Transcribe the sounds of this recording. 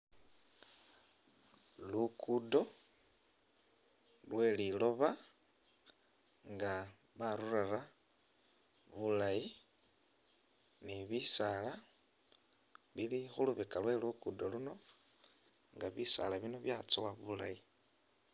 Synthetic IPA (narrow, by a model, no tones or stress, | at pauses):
lukʰudo̞ | lwe̞lilo̞βa | ŋɡa | βaɾurara | βulaji | niβisala | βilixuluβekalwe̞lukudo̞luno̞ | ŋɡaβisa̰laβino̞βjat͡sowaβula̰ji